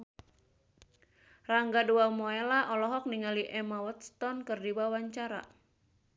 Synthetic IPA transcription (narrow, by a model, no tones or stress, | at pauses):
raŋɡaduamɔɛlaʔɔlɔɦɔk̚niŋaliʔɛmawət̪̚st̪ɔnkɨrdiwawaɲt͡ʃaɾa̰